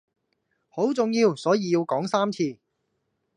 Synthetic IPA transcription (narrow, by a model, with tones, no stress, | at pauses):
ho˨˥wt͡sʊ˨ŋjiː˧wsɔː˨˥jiː˨˧ji˧wkɔː˨˥ŋsaː˥mt͡sʰiː˧